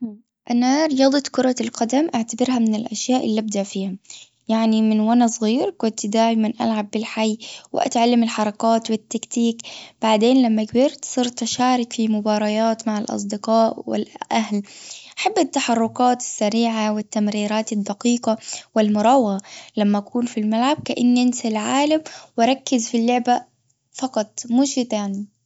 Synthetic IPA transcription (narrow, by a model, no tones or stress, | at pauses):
ʔanaɾɪjɑːd̪ˤɑt̪kʊɾˤɑlqɑd̪amʔaʕt̪abɪɾɦamɪnɪlʔaʃjaːʔɪlːiʔab̚d̪aʔfiːhʊm | jaʕnimɪnwanasˤɣiːɾkʊnt̪d̪aːʕɪmanʔa̰lʕabːɪlħajːwɪ̰ʔa̰t̪ʕalːɪmɪlħɑɾˤɑkaːt̪wɪt̪ːakt̪iːkb̥aʕd̪eːnlamːakbɪɾt̪sˤiːɾt̪aʃaːɾˤɪkfimʊbɑːɾˤɑjaːt̪maʕalʔɑ̰s̬ˤd̪ɪqɑːʔwɪ̰lʔaɦlʔaħabːat̪ːaħɑrˤːʊkaːt̪ɪ̥sːaɾiːʕawɪt̪ːamɾiːɾaːt̪ɪd̪ːaqiːqɑwɪlmʊɾˤɑwɣalamːaʔakuːnfilmalʕab̚kaʔanːʔɪnsɪlʕaːlamwɑɾˤɑkːɪzfilːʊʕba | fɑqɑt̪ˤmuːʃɪt̪aːni